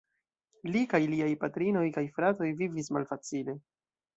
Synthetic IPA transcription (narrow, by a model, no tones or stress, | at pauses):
likajliajpatɾino̞jkajfɾato̞jvivismalfat͡sile̞